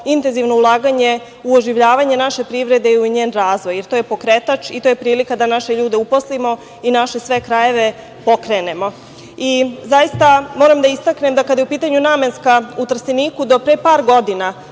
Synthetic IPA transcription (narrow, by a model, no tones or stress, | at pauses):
int̪e̞nziʋno̞ulˠaːɡaɲe̞ | uoʒiʋʎaːʋaɲe̞naʃe̞pɾiʋɾe̞d̪euiɲeːnɾaːzʋo̞jːeɾt̪o̞ːje̞po̞kɾet̪at͡ʃit̪oje̞pɾiːlikad̪anaʃeʎuːd̪e̞upo̞slimo̞ | inaʃe̞sʋe̞kɾaje̞ʋe̞ | po̞kɾe̞ːne̞mo̞ | izajist̪amo̞ːɾamd̪aist̪akne̞md̪akad̪jupiːt̪aɲuname̞nskaut̪r̩siniːkud̪o̞pɾepaːɾɡo̞d̪ina